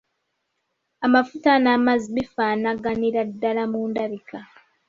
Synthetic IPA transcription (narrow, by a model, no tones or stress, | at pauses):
amafutanamaziβifaːnaɡaniɾadːalamuːndaβikʰa